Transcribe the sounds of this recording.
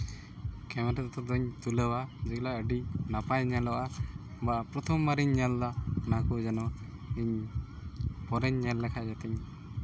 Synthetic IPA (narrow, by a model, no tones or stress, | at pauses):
kɛmɛɾɛt̪t̪ɔd̪ɔɲt̪uləwad͡ʒɛklaəɖinapajɲalɔʔa | bapɾɔt̪ʰɔmːaɾiɲːɛlːanakud͡ʒɛnɔ | iɲ | pɔɾɛɲɲɛlːɛkʰad͡ʒat̪ɛɲ